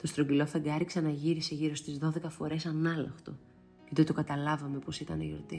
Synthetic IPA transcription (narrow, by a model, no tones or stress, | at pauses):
t̪o̞st̪ɾoɲɟilo̞θɐɡɐɾikseɐnɐʝiɾise̞ʝiɾo̞st̪izðo̞ðe̞kɐfo̞ɾe̞sɐnɐlɐ̰xt̪o̞ | cet̪ot̪okɐt̪ɐlɐvɐme̞po̞sit̪ɐnḛjoɾt̪i